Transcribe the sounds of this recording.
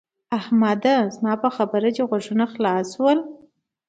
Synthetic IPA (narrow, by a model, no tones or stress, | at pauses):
ahmad̪azmɑpəxabəɾat͡ʃeɣwaʐunaxlɑswəl